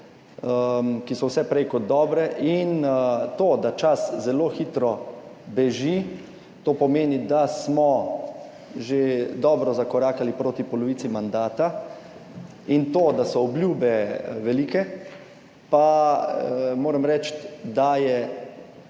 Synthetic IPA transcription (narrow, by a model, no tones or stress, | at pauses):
əmkisɔwsɛpɾɛjkɔd̪̚d̪ɔːbɾɛʔint̪oːd̪at͡ʃaszɛloːxit̪ɾɔbɛʒi | t̪oːpɔmeːnid̪asmɔ | ʒed̪ɔːbɾɔzakɔɾaːkalipɾoːt̪ipɔlɔʋiːsimand̪aːt̪a | int̪oːd̪asɔɔblʲjuːbɛʋɛliːkɛ | pa | moːɾəmɾɛt͡ʃt̪d̪ajɛ